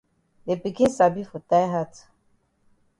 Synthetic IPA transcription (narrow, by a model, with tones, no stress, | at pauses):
de˨bi˨kĩ˦nsa˨bi˦fɔ˨ta˦jɦa˦t